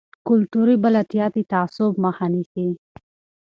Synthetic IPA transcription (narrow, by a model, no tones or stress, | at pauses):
kʊlt̪uɾibalat̪ijɑt̪it̪aːsʊbmahɑnixi